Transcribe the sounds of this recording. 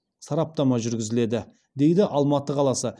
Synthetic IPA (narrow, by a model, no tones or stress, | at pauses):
sɑɾɑp̚t̪ɑmɑʒʏɾɡʲɪzɪle̞d̪ɪ | d̪e̞jd̪ɪʔɑlˠmɑt̪əqʰɑlˠɑsə